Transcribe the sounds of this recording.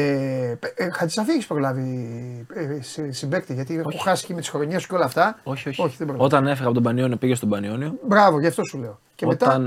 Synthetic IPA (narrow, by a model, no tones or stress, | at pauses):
e | xɐt̪i̥sɐfieçispɾo̞lɐvi | ssimbe̞k̚t̪iʝɐt̪ikuxɐsscimet̪i̥sxo̞ɾoɲesu̥cʲeo̞lɐːft̪ɐoçoço̞çiðebɾoo̞t̪ɐne̞fiɣɐot̪obɐnioniopiʝest̪obɐnioniobɾɐvo̞ʝɐft̪o̞sule̞o̞ | ceet̪ɐn